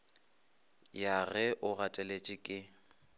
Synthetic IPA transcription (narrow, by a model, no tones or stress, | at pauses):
jarɛʔʊɣatʼɛlet͡ʃʼɪkʼɪ